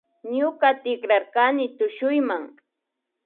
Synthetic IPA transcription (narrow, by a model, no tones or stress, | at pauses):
ɲʊkat̪ɪkɾaɾkanɪt̪ʊʃʊjmaŋ